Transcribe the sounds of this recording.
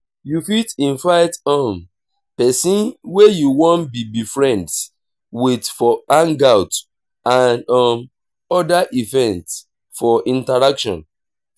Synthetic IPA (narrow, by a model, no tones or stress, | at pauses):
jufitĩnvaɪtɔ̃m | pɛsĩnwejuwɔ̃nbibifɹɛ̃nds | witfɔãŋɡawt | ãnɔ̃m | ɔdaʔivɛ̃nts | fɔʔĩntaɹakʃɔ̰̃n